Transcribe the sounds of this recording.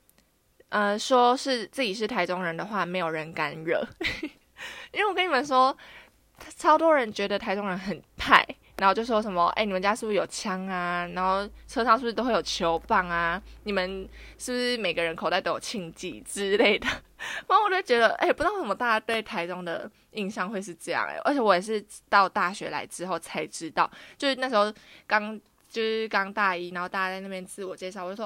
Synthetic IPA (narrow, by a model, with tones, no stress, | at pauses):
ʔə˧ʂwɔ˦ʂɻ̩˥˧t͡sɹ̩˥˩t͡ɕi˨˩ʂ̬ɻ̩˥˩t̪ʰa˧˥ɪʈ͡ʂʊ˥ŋɻə˧˥nd̪ə˨xwa˥˩me˧˥ɪjo˨˩ɻə˧˦nka˦nɻə˥˨˩ | i˥nwe˥˩wkə˥˦ni˨˩mə˦nʂwɔ˦ | t͡sʰɑ˥ʊt̪wɔ˥ɻə˧˦nt͡ɕɥɛ˧˥d̪ə˨t̪ʰa˧˥ɪʈ͡ʂʊ˥ŋɻə˧˦nxə˨˩npʰa˥˩ɪna˨˧nxo˥˧t͡ɕjo˥˧ʊ˥˩wɔ˥ʂə˧˦mə˨ʔḛ˥˧˩ni˨˩ə˦nt͡ɕja˥ʂ̩˥˩˨ʂ̩˥˩jo˨˩ʊt͡ɕʰjɑ˥ŋa˧na˧˥nxo˥˩ʊt͡sʰɤ˥ɑ˧˥ŋʂ̩˥˩˧t̪o˥xwjo˨˩t͡ɕʰjo˧˦ʊpɑ˥˩ŋa˩ni˨˩mə˨nʂɻ̩˥˩bu˩ʂɻ̩˥˩me˨ɪɡə˦ɻə˧˦nkʰo˨˩ʊt̪a˥˩t̪o˧˦˥jo̰˨˩t͡ɕʰi˧ŋt͡ɕḭ˥˩ʈ͡ʂɻ̩˥le˥˩ɪd̪ə˩ | a˥wɔ˨˩t͡ɕo˥˩t͡ɕɥɛ˧˥d̪ə˧ʔḛ˥˧˩pu˥tŋʂə˧˦m˧t̪a˥˧˥t̪we˥˩ɪt̪ʰa˧˥ɪʈ͡ʂo˥ŋd̪ə̰˨ | i˥˧ŋɕjɑ˥˧ŋxwe˥˧ɪʂ̬ɻ̩˥˧ʈ͡ʂɤ˥˧jɑ̰˥˩ŋḛ˨˩ʔə̰˧˥t͡ɕʰɛ˧˥wɔ˨˦jɛ˨˩ʂ̬ɻ̩˥˧t̪ɑ˥˧ʊt̪a˥˩ɕɥɛ˧˥la̰˧˥ɪʈ͡ʂɻ̩˦˥xo˥˩ʊt͡sʰa˧˥ɪʈ͡ʂɻ̩˦˥t̪ɑ˥˩ʊt͡ɕjo˥˧ʊʂɻ̩˥˧na˥˩ʂɻ̩˧˥xo˥˧ʊkɑ˥ŋ | t͡ɕjo˥˧ʊʂɻ̩˥˩kɑ˥ŋt̪a˥˧i˥na˨˦nxo˥˧ʊt̪a˥˧˩ja˧˥t͡sa˥˧na˥˩pjnt͡sʰɹ̩˥˩wɔ˨˩t͡ɕjɛ˥ʂ̬ɑ˥˩˨wjo˥˩w